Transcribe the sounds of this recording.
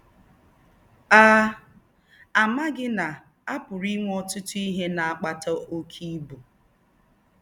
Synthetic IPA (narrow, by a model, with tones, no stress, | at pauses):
aː˦ | a˨ma˦ɡɪ˦na˨ | a˦pʊ˨ɾi˦ŋʷ˦ɔ˦tʊ˦tʊ˦i˦ɦe˦na˨a˦˨k͡pa˦tɔ˦ʔo˦kʰi˦bu˨